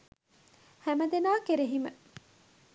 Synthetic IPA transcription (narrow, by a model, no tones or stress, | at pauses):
hæmɐd̪enaːkeɾeɦimə